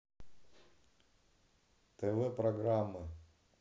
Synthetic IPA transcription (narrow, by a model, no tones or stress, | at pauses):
t̪ɛvɛpɾɐɡɾamːɨ